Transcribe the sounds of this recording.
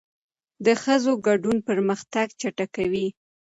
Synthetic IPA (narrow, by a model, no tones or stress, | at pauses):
d̪əxəzoɡaɖunpəɾməxt̪aɡt͡ʃaʈakawi